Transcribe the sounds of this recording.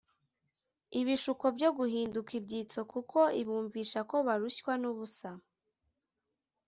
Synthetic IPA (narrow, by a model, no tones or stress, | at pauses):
iβiʃuko̞bɟo̞ɡuɦiːndukib̚ɟiːt͡so̞kukʰo̞iβuːɱviːʃako̞βaɾuɕwanuβusa